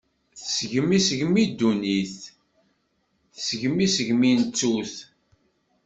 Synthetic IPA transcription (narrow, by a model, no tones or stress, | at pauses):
θsəʝəmːisəʝmid̪ːuniθ | θsəʝəmisəʝmint͡sːuθ